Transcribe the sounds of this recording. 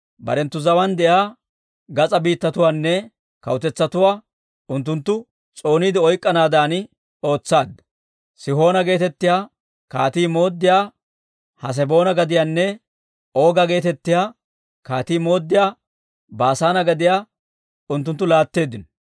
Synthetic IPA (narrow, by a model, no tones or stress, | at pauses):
bɐ̰ɾɛnt̪ːʊzɐwɐnd̪ɛjaː | ɡɐt͡sʼɐbiːt̪ːɐt̪ʊwaːnːɛ | kɐ̰wt̪ɛt͡sːɐt̪ʊwaː | ʊnt̪̬ːʊnt̪ːʊ | t͡sʼo̞ːniːd̪ɪɔjkʼːɐnaːd̪aːnɪ | o̞ːt͡sːaːd̪ːɐ̥ | sɪɦo̞ːnɐɡe̞ːt̪ɛt̪ːɪjaː | ka̰ːt̪iːmo̞ːd̪ːɪjaː | hɐs̬ɛbo̞ːnɐɡɐd̪ɪjaːnːɛ | oːɡɐɡe̞ːt̪ɛt̪ːɪjaː | kaːt̪iːmo̞ːd̪ːɪjaː | baːsaːnɐɡɐd̪ɪjaː | ʊnt̪ːʊnt̪ːʊlaːt̪ːe̞ːd̪ːɪnɔ̥